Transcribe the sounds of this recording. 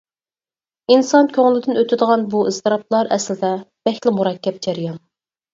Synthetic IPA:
insɑnkʲʰøŋlɪd̪ɪnøt̪ʰɪd̪əʁɑnbuiz̥t̪ʰɨɾɑp̚ʰlˠɑɾʔɛslɪd̪ɛb̥ɛxʲt̪lɪmuɾɑkʲːɛp̚d͡ʒɛɾijɑn

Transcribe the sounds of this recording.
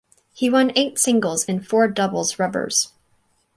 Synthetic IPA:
hiwʌ̃neɪtsɪ̃ŋɡl̩ˠzɨ̃nfɔɹdʌbl̩ˠzɹʌbə̰˞z̥

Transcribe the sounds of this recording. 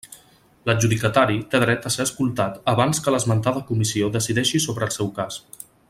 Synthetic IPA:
ləʒuðikət̪aɾit̪eðɾɛt̪əseəskulˠt̪at̪əβanskələzmənt̪aðəkumisioðəsiðɛʃisoβɾəːlˠsɛwkas

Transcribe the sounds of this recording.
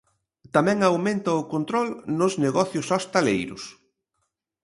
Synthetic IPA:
t̪amɛ̃ŋawmẽnt̪ɐʊkont̪ɾɔlnʊzneɣɔθjʊsost̪alejɾʊ̰s

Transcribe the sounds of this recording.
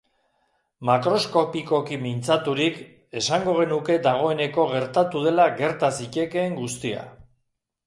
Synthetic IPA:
makɾo̞sko̞piko̞kimint͡sat̪uɾik | e̞saŋɡo̞ɣ̞e̞nuke̞d̪aɣ̞o̞e̞ne̞ko̞ɣ̞e̞ɾt̪at̪uðe̞laɣe̞ɾt̪asice̞ke̞ːŋɡust̪ia̰

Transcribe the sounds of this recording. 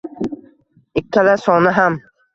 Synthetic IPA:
ɪkʲʰːalasɒnɪɦam

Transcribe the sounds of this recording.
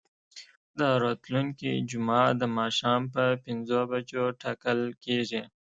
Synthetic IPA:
d̪əɾot̪luŋkḭd͡ʒʊmɑd̪əmɑːʃɑːmpəpɪnzobat͡ʃoʈɑkəlkeʐi

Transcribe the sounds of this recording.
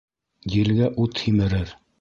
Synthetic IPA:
jɘ̆lɡæʔut̪himɘ̆ɾɘɾ

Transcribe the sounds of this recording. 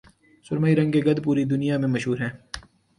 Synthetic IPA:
sʊɾmaːiɾɐ̃ŋɡkeɡɐd̪puːɾid̪ʊnijamẽmɐʃɦuːɾɦɛ̃ː

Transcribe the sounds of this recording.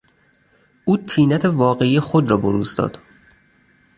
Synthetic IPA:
ʔuːt̪ʰiːnæt̪ʰe̞vɒːɣe̞ijexod̪ɾɒːboɾuːzd̪ɒ̰ːd̪̥

